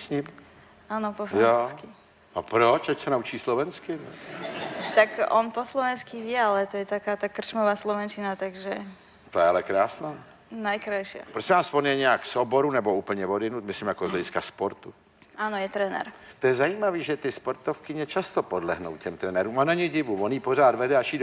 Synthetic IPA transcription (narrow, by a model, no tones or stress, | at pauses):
sɲɪm | aːnɔpɔfɾajanot͡sːuski | apɾot͡ʃacsɛnaut͡ʃiːslovɛnskɪnɛ | t̪akɔnpɔslɔʋɛnskiʋjɛalɛt̪ɔjɛt̪akaːt̪akr̩t͡ʃmɔʋaːslɔʋɛnt͡ʃɪnat̪aɡʒɛ | t̪ojɛalɛkɾaːsnaː | najkɾajʃɪa̰pɾosɪɛmasponjɛɲɛakfsoboɾunɛbouːpl̩ɲɛvodɪnut̪̚mɪslimjakozlɛɟɪskaspoɾt̪u | aːnojɛt̪ɾɛnɛ̰ɾt̪ojɛzajiːmaviːʒɛt̪ɪspoɾt̪ofkɪɲɛt͡ʃast̪opodlɛ̰ɦnowcɛmt̪ɾɛnɛɾuːmanɛɲɪɟɪvuvonjiporaːd̪vɛdɛaʃiːd